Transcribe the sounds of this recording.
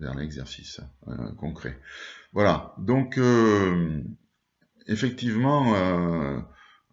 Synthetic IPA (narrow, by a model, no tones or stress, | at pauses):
vɛ̰ʁlɛɡzɛʁsiskɔ̃kχḛvwalad̪ɔ̃kø | efɛk̚t̪ivmɑ̃ø